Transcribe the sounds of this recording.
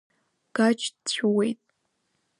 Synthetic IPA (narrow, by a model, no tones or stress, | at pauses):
ɡ̥at͡ʃʰdt͡ɕʷʰwejtʼ